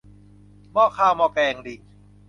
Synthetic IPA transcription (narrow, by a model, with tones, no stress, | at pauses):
mɔː˧˩kʰaː˧˩wmɔː˧kɛː˧˩ŋdi˨˩